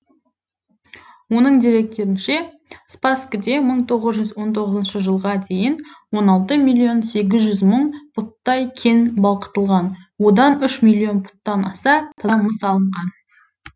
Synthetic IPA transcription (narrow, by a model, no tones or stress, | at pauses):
wo̞nəɴd̪eɾe̞k̚t̪e̞ɾɪnʃe̞ | spaskəd̪e̞məɴt̪ʰo̞ʁəzʒʏzwo̞nt̪ʰo̞ʁəzənʃəʒəlˠʁɑd̪e̞jɪnwo̞nɑlˠt̪əmilʲˠio̞nse̞ɡʲɪzʒʏzməɴpʰʊt̪ːɑjkʲʰe̞nbɑlˠqə̥t̪əlˠʁɑnwo̞d̪ɑnʏʃmilʲˠːijo̞npʰʊ̥t̪ːɑnɑsɑt̪ʰəməsɑlˠəɴʁɑn